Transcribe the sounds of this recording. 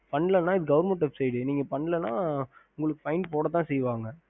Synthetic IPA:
pɐɳːɪlɐnːãːɪðɯɡɐʋɾmɐʈːɐpsɛjɽɯniːŋɡɐpɐɳːlɐnãːʊŋɡɐɭɯkːɯpɐɪnɖ̚poːɽɐt̪ːãːsɛjʋaːŋɡɐ

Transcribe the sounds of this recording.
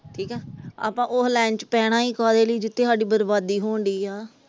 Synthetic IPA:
ʈʰiːkɦɛːa̰ːpãːʔoːlɛ̃ːnt͡ʃpɛːɽ̃aːiːkaːd̪eːləiːd͡ʒɪt̪ʰːeːsaːɖiːbəɾbaːd̪iːɦoːɳɖ̪iːaː

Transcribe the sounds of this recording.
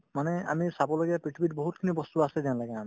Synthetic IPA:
manɛa̰misabɔloɡapɹiʈʰibiʈ̚bɔɦut̪kʰinibɔst̪uasɛdanlaɡam

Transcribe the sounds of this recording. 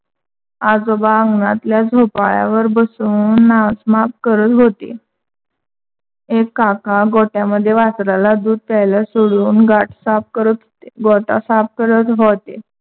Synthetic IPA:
ad͡zobaəŋɡnat̪ljad͡zʱopaɭja̰ʋəɾbəsuːnːasmap̚kəɾət̪ɦot̪ḛ | ekːakaɡoʈjaməd̪ʱːjeʋat͡sɾalad̪uːd̪̚t̪ajlasoɽuːnɡaʈsap̚kəɾət̪ | ɡoʈa̰sap̚kəɾət̪ɦot̪e

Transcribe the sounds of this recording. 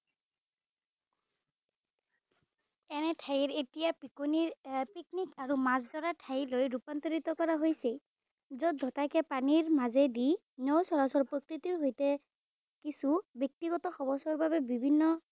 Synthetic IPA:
ɛnɛtʰajiɹetijapikoniɹpik̚nikaɹumazdɔɹatʰajilojɹupant̪ɔɹitɔkɔɹaɦojsɛ | zɔdʱɔtakɛpaniɹmazɛdi | nɔwsɔɹasɔɹpɹokɹitiɹɦojtɛ | kisubɔk̚tiɡɔtɔxɔbɔsɔɹbabɛbibʱinːɔ

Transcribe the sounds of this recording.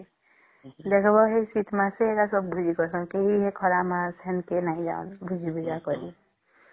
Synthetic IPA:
d̪ekʰbɔɦesit̪maseeɡasɔb̚bʱud͡ʒʱikɔɾsɔ̃ŋkeɦiɦekʰɔɾamaɾsɛnkenaɦĩd͡ʒa̰ṵnbʱud͡ʒʱibid͡ʒakɔɾi

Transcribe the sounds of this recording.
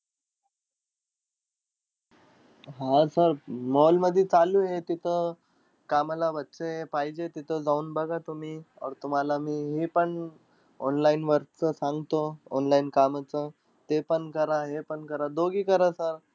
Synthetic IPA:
ɦasəɾmɔlməd̪ʱit͡saluːɦet̪it̪ʰə | kamlaʋət̪ːsəepaɦid͡ʑet̪it̪ʰəd͡zauːnbəɡat̪um̤iɔ̰ɾt̪um̤alamiːɦipəɳ | ɔnlainʋəɾt͡səsaŋɡt̪oɔ̰nlainkamət͡sə | t̪epəɳkəɾaɦepəɳkəɾad̪oɡiːkəɾasəɾ

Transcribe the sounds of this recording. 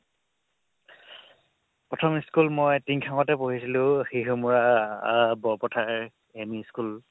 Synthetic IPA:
pɹɔtʰɔmiskulmɔjtiŋkʰaŋɔtɛpoɦisilʊ̃xeɦumuɹa | bɔɹpɔtʰaɹ | emiskul

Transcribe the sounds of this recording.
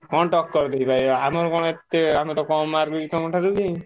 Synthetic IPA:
kɔnʈɔkːɔɾd̪ejpaɾiamɔɾɔkɔɽ̃ɔet̪ːeamɔt̪ɔkɔmaɾbiɾit̪ɔmɔʈʰaɾubi

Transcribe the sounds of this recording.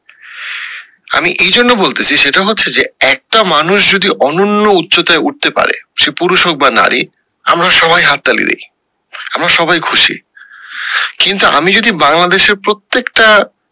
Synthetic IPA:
a̰miʔejd͡ʑʱonːobolt̪et͡ɕʰiʃeʈaɦotːɕʰed͡ʑeɛk̚ʈamanuʃd͡ʑod̪iʔɔnonːoutːɕot̪aeʔuʈ̚t̪epa̰ɾḛʃepuɾuʃok̚bana̰ɾʔḭ | a̰mɾaʃɔbʱajɦat̪ːalḭd̪ḛj | amɾaʃɔbajkʰuʃḭ | kint̪uʔa̰mid͡ʑod̪ibaŋlad̪eʃeɾpɾot̪ːekʈa

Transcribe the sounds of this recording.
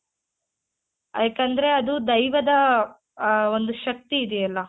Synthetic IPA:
aːkɐnd̪ɐɾe̞ɐd̪ud̪ɐjʋɐd̪ɐ | o̞nd̪uʃɐk̚t̪iːd̪ɛɐlːɐ

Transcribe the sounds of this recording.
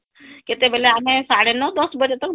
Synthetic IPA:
ket̪ebʱɛleamẽsaɽenːɔd̪ɔsbəd͡ʑet̪ək

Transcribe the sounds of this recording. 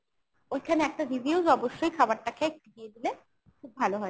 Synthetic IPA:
ojkʰaneɛk̚ʈaɾibiuzɔboʃːojkʰabaɾʈakeek̚ʈiɡied̪ile | kʰub̚ːʱaloɦɔe

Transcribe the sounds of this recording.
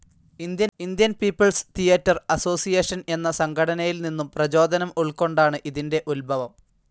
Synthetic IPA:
ind̪jɐind̪jɐnpiːpːɐɭst̪ʰijɐtːɐrɐso̞ːsijeːʂɐne̞nːɐsɐŋɡʰɐɽɐnɐjilninːumprɐt͡ɕo̞ːd̪ɐnɐmuɭkːo̞ɳɖaːɳɨʔiðinde̞ʔulbʱɐʋɐm

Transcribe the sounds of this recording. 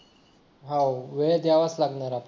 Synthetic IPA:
ɦawʋed̪jaʋəslaɡnaɾap

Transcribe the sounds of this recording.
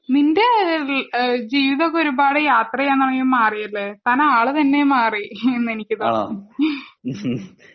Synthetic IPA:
ninde̞ | d͡ʑiːʋiðɐkoɾubaːɽɨjaːt̪rɐjenːɐɳɐŋumːaːrijɐlːet̪aːnaːɭɨt̪ɐnːe̞maːrienːe̞nikʲːɨt̪o

